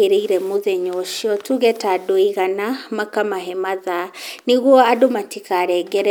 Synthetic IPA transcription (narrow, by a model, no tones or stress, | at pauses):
eɾeiɾɛmoðɛɲɔʃiɔtuɣɛtadoiɣanamakamaɦɛmaðaniɣwɔadomatikaɾɛɡɛɾɛ